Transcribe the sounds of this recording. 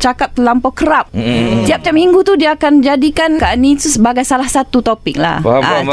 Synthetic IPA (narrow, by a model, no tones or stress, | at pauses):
t͡ʃakap̚t̪əlampɔkəɾap̚t̪iap̚t͡ʃamiŋɡut̪udiaːkand͡ʒadikankaʔnit̪usəbaɡajsalahsat̪ut̪opɪk̚la̰